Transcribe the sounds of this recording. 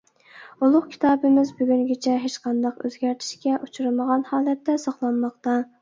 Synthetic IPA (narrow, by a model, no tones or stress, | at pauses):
ulˠʊqkʲʰi̥t̪ʰɑːbɪmɪzbyɡʲyŋɡʲit͡ʃʰɛɦet͡ʃqɑnd̪ɑqøzɡʲæɾt̪ʰɪ̥ʃkʲɛʔut͡ʃʰuɾɨməʁɑnhɑːlˠɛt̪ːɛsɑχlˠɑnmɑq̚t̪ɑ